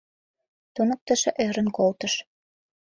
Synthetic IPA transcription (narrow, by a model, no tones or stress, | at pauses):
t̪unə̆k̚t̪ə̆ʃĕʔeɾə̆nkolt̪ə̆ʃ